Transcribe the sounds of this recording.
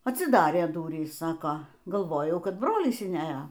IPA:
ɐtʲsʲɪˈdɑːrʲeː ˈdʊrʲiːs ˈsɑːkoː ɡɐlˠˈʋoːjɛʊ ˈkɐt ˈbroːlʲɪs ɪnʲˈæːjɛ

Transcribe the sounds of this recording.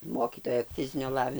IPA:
ˈmoːkʲiːtoːjɛ ˈfʲɪzʲɪnʲoː ˈlˠɑːʋʲɪ

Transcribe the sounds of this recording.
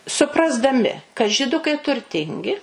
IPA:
sʊprɐzdɐˈmʲɪ kɐt ʒʲɪˈdʊkɐɪ tʊrʲˈtʲɪŋʲɡʲɪ

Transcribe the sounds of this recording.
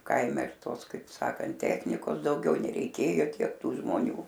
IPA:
ˈkɐɪmʲɛ ɪr ˈtoːs kɐɪp ˈsɑːkɐnt ˈtʲæːxʲnʲɪkoːs dɐʊˈɡʲɛʊ nʲɛrʲɛɪˈkʲeːjoː ˈtʲiɛk ˈtuː ʒmoːˈnʲuː

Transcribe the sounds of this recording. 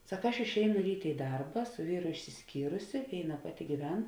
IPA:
ˈsɐk ˈɐʃ ɪʃʲˈɛɪnʊ ˈrʲiːtʲeː ɪ ˈdɐrbɐ sʊ ˈʋʲiːrʊ ɪʃʲsʲɪsʲˈkʲiːrʊsʲɪ ˈʋʲeːɪˌnɐ ˈpɑːˌtʲɪ ɡʲiːˈʋʲɛn

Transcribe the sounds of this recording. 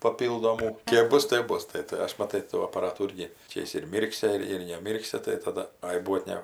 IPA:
pɐˈpʲiːlˠdoːmuː ˈkʲeːp ˈbʊs tʲeːp ˈbʊs ˈtɐɪ tɐɪ ˈɐʃ mɐˈtɐɪ tuː ɐpɐˈrɑːtuː ˈɪrʲɡʲɪ ˈt͡ʃʲɛ jɪs ɪr ˈmʲiːrksʲɪ ɪr ɪr nʲɛˈmʲiːrksʲɪ tɐɪ tɐˈdɐ ˈɐɪ ˈbuɔt ˈnʲɛ

